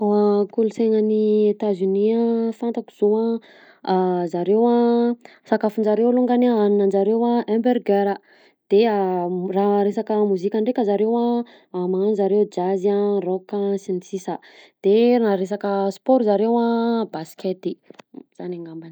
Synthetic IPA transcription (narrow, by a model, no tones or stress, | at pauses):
akuluseŋəniet̪azyniafant̪aku̥z̥oa | zaɾewa | sakafund͡ʒaɾewluŋɡanaaninand͡ʒaɾewaɛmberɡeɾə | d̪̥earaɾesakəmuzikʲaɳɖ͡ʐekʲəzaɾewa | maanzaɾewd͡ʒaziarɔkasinisisəd̪̥eɾaɾesakəspoɾizaɾewabasket̪iz̥anaŋɡambani